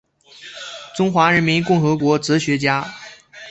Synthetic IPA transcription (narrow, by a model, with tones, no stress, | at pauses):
ʈ͡ʂʊ˥ŋxwa˧˥ɻə˧˥nmi˧˥nkʊ˥˩ŋxɤ˧˥kwɔ˧˥t͡s̩˧˥ɕɥɛ˧˥t͡ɕja˥